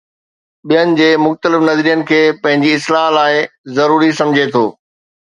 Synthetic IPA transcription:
ɓijənɪ̆d͡ʑeːmʊxt̪əlɪfnɐzɾijənɪ̆kʰeːpɐ̃ɦɪ̃ɲd͡ʑiɪslaɦlaːɪzɐɾuːɾisɐ̃md͡ʑʱet̪ʰo̰ː

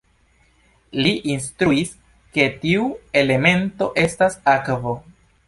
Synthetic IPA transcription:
liʔinstɾuis | ke̞tiue̞le̞me̞nto̞ʔe̞stasakvo̞

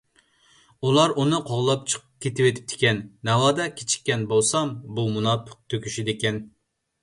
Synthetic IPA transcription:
ulˠɑɾʔunɨqʰoʁlˠɑp̚t͡ʃʰə̥qʰəp̚kʲʰet̪ɪwet̪ʰɪ̥p̚t̪ʰɪ̥kʲɛnːɛwɑːd̪ɑkʲʰet͡ʃʰi̥kʲːɛnbolˠsɑmbumunɑp̪ʰə̥q̚t̪ʰøkʲyʃid̪ekʲɛn

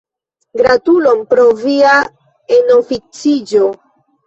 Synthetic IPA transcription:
ɡɾatulo̞mpɾo̞via | enofit͡sid͡ʒo

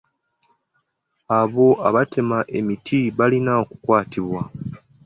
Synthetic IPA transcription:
aβo̞ʔaβate̞maʔe̞mitʰiβalinaoku̥kwaːtiβwa

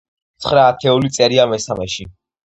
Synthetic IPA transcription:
t̪sʰχɾaːt̪ʰɛulit̪sʼɛɾiamɛsamɛʃi

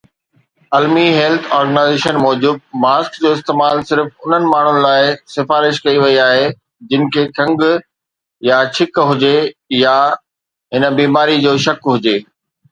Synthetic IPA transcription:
ɐlmiɦɛːlt̪ʰɔːɾɡənaːɪzeːʃənmɔːd͡ʑuːd̪̚maːskd͡ʑoːɪst̪eːmaːlsɪɾfʊn̤ənɪ̆maːɳ̤ʊnɪ̆laːɪsɪfaːɾɪʃkɐiʋɐiaːɦe | d͡ʑɪnɪ̆kʰeːkʰɐ̃ŋɡ | jat͡ɕʰɪkɦʊd͡ʑeja | ɦɪnə̆biːmaːɾid͡ʑoːʃɐkɦʊd͡ʑeː

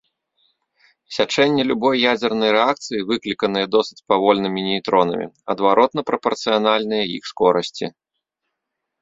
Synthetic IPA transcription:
sʲat͡ʂɛnʲːɛlʲubɔjːad͡zʲɛrnɐjɾɛak̚t̪sɨjivɨklʲikɐnɨjɐd̪ɔsɨt͡sʲpavɔlʲnɨmʲinʲijt̪ɾɔnɐ̰mʲḭɐd̪vaɾʔɔt̪̚nɐpɾɐpɐrt̪sɨjanalʲnɨjɐjḭxskɔɾɐsʲt͡sʲḭ

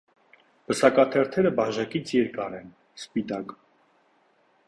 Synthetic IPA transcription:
bəsɑkɑt̪ʰɛɾt̪ʰɛɾəbɑʒɑkit͡sʰjɛɾkɑɾɛn | spit̪ɑk

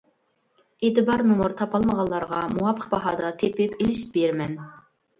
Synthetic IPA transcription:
et̪ɨbɑɾnumuɾt̪ʰɑpɑlˠməʁɑlˠːɑɾʁɑmuɑpʰːə̥qbɑɦɑːd̪ɑt̪ʰepɪpilɪʃbeɾmɛn

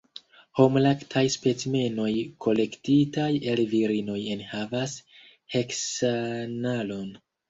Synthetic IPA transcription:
homlaktʰajspe̞t͡sme̞no̞jkʰo̞le̞ktitajelviɾino̞je̞nhavas | he̞ksanalo̞n

